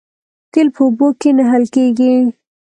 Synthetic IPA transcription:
kɪlpəʊbokenaɦalkeɡi

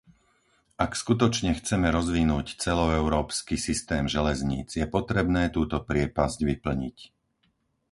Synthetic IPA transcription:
ʔakskut̪ɔt͡ʃɲɛxt͡sɛmɛɾɔzʋinuːct͡sɛlɔɛʊɾɔːpskisist̪ɛːmʒɛlɛzɲḭːd͡zjɛpɔt̪ɾɛbnɛːt̪uːt̪ɔpɾɪɛpazɟʋipl̩ɲḭc

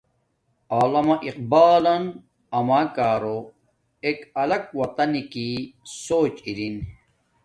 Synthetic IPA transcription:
aːlɐmɐʔiqbaːlɐn | ɐmakaːɾo | ekɐlɐkwɐt̪ɐnikisoːt͡ɕiɾin

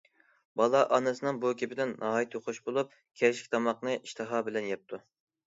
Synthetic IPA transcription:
bɑlˠɑʔɑnɨsɨnɨŋbukʲʰɪpʰɪd̪ɪnːɑɦɑjit̪ʰoχʰoʃbolˠup̚ | kʲʰɛɾʃɪ̥kʲt̪ʰɑmɑqnɨʔiʃt̪ʰɨɦɑbɪlɛnjɛp̚t̪ʰu

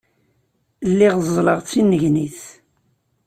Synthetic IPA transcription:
lːiʁzləʁt͡sːinːəʝniθ

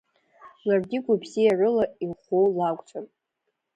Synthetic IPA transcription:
larɡʲɪɡʷabzijarɨlaiχʷowlakʷʼt͡ʃʷʰam

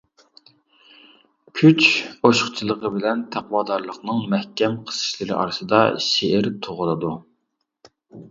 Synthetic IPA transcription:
pʲʰyt͡ʃoʃʊχt͡ʃʰilˠəʁəbɪlɛnt̪ʰæqwɑːd̪ɑɾlˠəχnɨŋmɛhkʲɛmqʰə̥sɪ̥ʃlɪɾɪ̰ʔɑ̰ɾɨsɨd̪ɑ̰ʃeʔɪɾt̪ʰoʁʊlˠɨd̪u

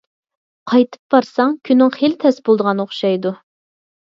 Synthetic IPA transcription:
qʰɑjt̪ʰɨ̥p̚bɑɾsɑŋkʲʰynːɪŋχelt̪ʰɛsbolˠd̪əʁɑnoχʃɑjd̪u

